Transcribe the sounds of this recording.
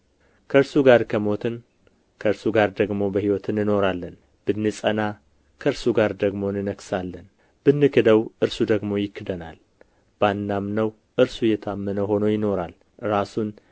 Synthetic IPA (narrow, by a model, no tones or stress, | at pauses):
kʰəɨɾsuɡaɾkʰəmo̞t̪ʰɨn | kʰəɨɾsuɡaɾd̪əɡmo̞bəhiwɔt̪ʰɨnɨno̞ɾalːən | b̥ɨnːɨsʼəna | kʰəɾsuɡaɾd̪əɡmo̞nɨnəksalːən | b̥ɨnːɨkʰɨd̪əwʔɨɾsud̪əɡmo̞jɪkːɨd̪əna̰l | b̥anːamnəw | ʔɨɾsujɛt̪ʰamːənəɦo̞nəjɪno̞ɾal | ɨɾasun